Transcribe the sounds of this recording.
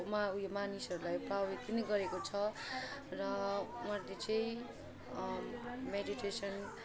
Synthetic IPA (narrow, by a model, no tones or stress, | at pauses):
maujemanisʌɾulajprait̪̚pʌniɡʌɾekot͡sʰʌ | rʌmʌd̪et͡sʌĩ | mediʈesʌn